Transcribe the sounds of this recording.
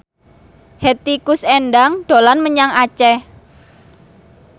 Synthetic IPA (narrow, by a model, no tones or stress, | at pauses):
het̪ikʊsɛnɖaŋɖ̥o̤lanməɲaŋat͡ʃɛ